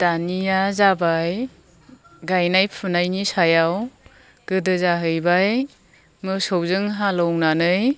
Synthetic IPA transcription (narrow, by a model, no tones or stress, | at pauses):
d̥anijazabaj | ɡajnajpʰunajnisajaw | ɡ̥ɯdɯzaɦɯjbaj | mɯsɔwzɯŋɦalɔwnanɯj